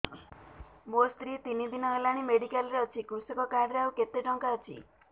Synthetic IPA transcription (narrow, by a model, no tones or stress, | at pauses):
most̪ɾit̪inid̪inɔelaɽ̃imeɽikalɾeɔt͡ʃʰikusɔkɔkaɖɾeawket̪eʈɔŋkaɔt͡ʃʰḭ